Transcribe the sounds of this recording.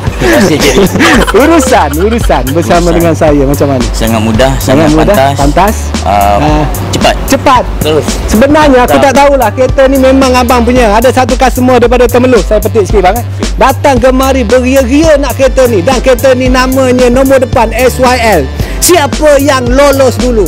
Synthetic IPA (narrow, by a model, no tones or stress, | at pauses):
uɾusanuɾusanbərsamadəŋansajamat͡ʃamːanəsaŋa̰mudahsaŋamudapant̪as | a | əat̪̚t͡ʃəpat̪̚səbənarɲəakuaʔt̪aulahket̪ənimemaŋabaŋp̬uɲaːdasat̪ukasəmuədaɾipadat̪əməlʊsajapət̪ɪʔskibaŋət̪̚ | dat̪aŋɡəmaɾibəɾiəɣiənaʔket̪ənidaŋket̪əninamaɲənombɔrdəpanɛswaɛl | siapəjaŋlolɔsdulu